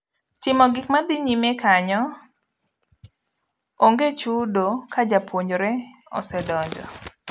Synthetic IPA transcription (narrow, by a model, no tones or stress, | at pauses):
tɪmɔɡɪkmad̪ɪɲimekaɲɔ | oŋɡet͡ʃudokad͡ʒapʰwoɲoɾɛɔ̰sɛdɔɲd͡ʒɔ̰